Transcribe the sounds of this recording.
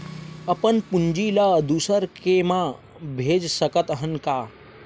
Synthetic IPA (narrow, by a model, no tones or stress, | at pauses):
əpənpuɲd͡ʒilad̪usəɾkemã | bʱeːd͡ʒsəkət̪əɦənkaː